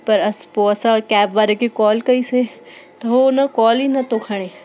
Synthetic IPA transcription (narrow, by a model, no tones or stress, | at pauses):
pɐɾɐspoɐsãkɛːbʋaːɾekikɔːlkɐise | t̪ɐɦonãkɔːlinɐt̪okʰɐɽ̃eː